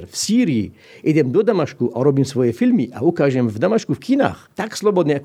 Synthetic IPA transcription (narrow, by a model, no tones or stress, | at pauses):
ɾfsiːɾijḭ | jɛd̪ʲɛmd̪ɔd̪amaʃkuʔaɾɔbimsvɔjɛfilmiʔaukaːʒɛmvd̪amaʃkufkʰina̰xt̪akslˠɔbɔd̪nʲɛak